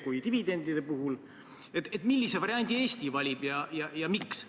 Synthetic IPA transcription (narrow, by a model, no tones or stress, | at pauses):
kujt̪ivid̪̥e̞nd̪id̪epuɦul | et̪et̪ˑmilʲːise̞vɑɾiɑnʲd̪̥ie̞ːst̪ivɑlʲib̥jɑjɑjɑmiks